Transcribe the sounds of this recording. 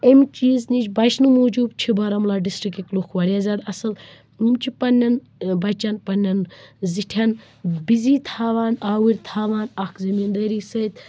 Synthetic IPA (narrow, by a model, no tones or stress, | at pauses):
emt͡ʃiːznit͡ʃbɐʃnumuːd͡ʒuːbt͡ʃʰibɐɾɐmlaːɖisʈɾikiklukʰʋɐɾʲjaːzʲaːd̪ɐsɐl | umt͡ʃʰipɐnʲːɐn | bɐt͡ʃanpɐnːɐnziʈʰɐn | biziːt̪ʰaːʋaːnaːwiɾʲt̪ʰaːʋaːnɐkʰzɐmiːnd̪ɐːɾiːsɐt̪